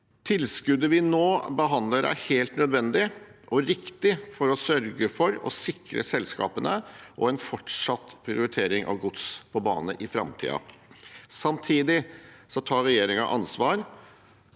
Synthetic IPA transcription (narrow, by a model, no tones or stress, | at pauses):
t̪ʰɪlskʉd̪əʋɪnoːbəɦɑnd̪ləɾæ̰ɾheːlt̪nœd̪ʋɛnd̪ɪʔɔɾɪkt̪ɪfɔɾɔsœɾɡəfɔɾɔ̰sɪkɾə̰sɛlːskɑ̰ːpənəʔɔɛnfɔʈʂɑt̪ːpʰɾɪʊɾɪt̪ʰeːɾɪŋʔɑ̰ʋɡʊt̪spʰɔbɑ̰ːnəʔɪfɾɑ̰mt̪ʰḭːɑ̰ | sɑmt̪ʰiːd̪ɪsɔt̪ʰɑːɾɛjeːɾɪŋɑʔɑnsʋɑːɾ